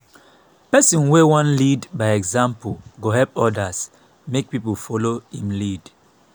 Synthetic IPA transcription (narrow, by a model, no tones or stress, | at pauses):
pɛsɔ̃nwewãnlidbaɪɛɡzãmpulɡoɦɛlpɔdas | mek̚pipofɔlohĩmlid